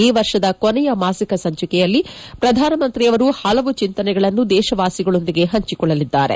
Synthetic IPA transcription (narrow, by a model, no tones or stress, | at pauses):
iːʋɐɾʂɐd̪ɐkonɛjɐmaːsikɐsɐɲt͡ʃɐkɛjɐlːi | pɾɐd̪ʱaːnɐmɐnt̪ɾiɐʋɐɾuhɐlɐʋut͡ʃint̪ɐnɛɡɐɭɐnːud̪ɛːʃɐʋaːsiɡɐɭo̞nd̪iɡe̞ɦɐɲt͡ʃikɔɭːɐlid̪ːaːɾe̞̰